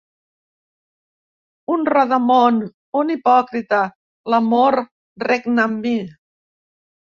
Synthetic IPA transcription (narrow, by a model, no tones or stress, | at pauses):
unraðəmon | unipɔkɾit̪ə | lamoɾ | reknambi